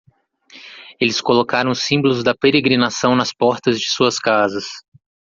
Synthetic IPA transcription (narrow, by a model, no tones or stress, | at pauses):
elɪskolokaɾɐ̃w̃sĩbolʊzd̪ɐpeɾeɡɾinasɐ̃w̃nɐspɔɾt̪ɐzd͡ʒɪsuɐskazɐs